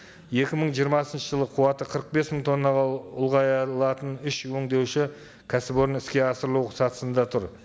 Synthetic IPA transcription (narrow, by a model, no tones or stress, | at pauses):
je̞kʲɪməɴʒijəɾmɑsənʃəʒəlˠəqʰuwɑt̪əqʰəɾəq̚be̞sməɴt̪ʰo̞nːɑʁʊlˠʁɑjlˠɑt̪ənʏʃwɵŋd̪e̞wʃɪ | kʲʰæsɪbo̞ɾənɪskʲe̞ɑsəɾlˠuwsɑt̪ə̥sənd̪ɑt̪ʰʊɾ